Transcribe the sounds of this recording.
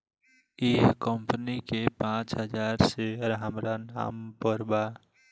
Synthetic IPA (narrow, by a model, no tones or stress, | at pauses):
eːkkəmpənikepãːt͡ʃɦəd͡ʒaːɾseɾamɾana̰ːmpəɾba